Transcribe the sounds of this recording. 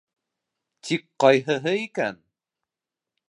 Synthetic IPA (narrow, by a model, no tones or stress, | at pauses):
t̪ʰikqɑjɦɤ̆ɦɤikæn